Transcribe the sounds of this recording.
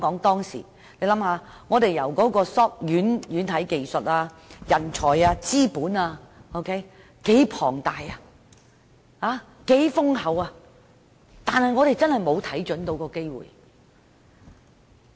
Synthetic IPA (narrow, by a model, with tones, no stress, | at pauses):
kɔː˨˥ŋt̪ɔː˥ŋsḭː˨˩ | le˧jlɐ˨˥mhaː˨˧ | ŋɔː˨˧t̪e˨jɐ˨˩wkɔː˨˥kɔː˧sɔː˥p̚jyː˨˥njyː˨˥nt̪ʰɐ˨˥jke˨jsɵ˨t̚aː˧ | jɐ˨˩nt͡ʃʰɔː˨˩jaː˧t͡siː˥puː˨˥naː˧o˧wkʰe˥j | ke˨˥jpʰɔ̰ː˨˩ŋt̪aː˨ja˧ | haː˨˧ | ke˨˥jfʊ˥ŋɦɐ˨˥waː˧ | t̪aː˨nhɐ˨jŋɔː˨˧ɾe˨jt͡sɐ˥nhɐ˨jmo˨˧wt̪ʰɐ˨˥jt͡ʃɵ˨˥nt̪o˨˧wkɔː˧ke˥jwṵː˨˩j